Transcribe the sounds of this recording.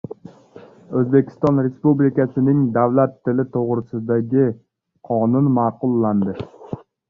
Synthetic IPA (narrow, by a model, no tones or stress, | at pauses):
ɵzbe̞kʲʰɪ̥st̪ɒnɾespublɪkasɪnɪŋd̪avlat̪ʰːɪlɪt̪ʰoʁɾɪsɪd̪aɡʲɪ | qʰɒnʊnmaːqʊlˠːand̪ɪ